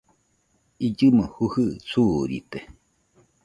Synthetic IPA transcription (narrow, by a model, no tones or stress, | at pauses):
ʔid͡ʒɨmohuhɨsuɾḭt̪e